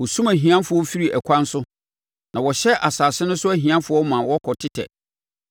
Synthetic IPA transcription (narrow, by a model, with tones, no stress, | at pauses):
wɔ˨sũ˦mæ˨ɦĩ˨ã˦nfʊ˨˦ɔ˦fi˦ɾi˨ʔæ˨kʰʷã˦n˦sʊ˦ | nʔã˨wɔ˨ɕɛ˦ʔa˨saː˨sɪ˦nʊ̃˦sʊ˦æ˦ɦĩ˨ã˦fʊ˨˦ɔ˦mã˨wɔ˦kʰɔ˨tʰɪ˦tʰɛ̰˨